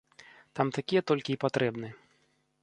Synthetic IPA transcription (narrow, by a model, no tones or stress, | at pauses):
t̪amt̪akʲijɛt̪ɔlʲkʲiːpat̪ɾɛbnɨ